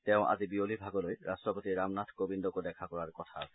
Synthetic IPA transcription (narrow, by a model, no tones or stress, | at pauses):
t̪ɛõʔa̰d͡ʑibiolibʱaɡolojɾastɾopot̪iɾamnat̪ʰkobind̪okod̪ɛkʰakɔɾaɾkɔt̪ʰa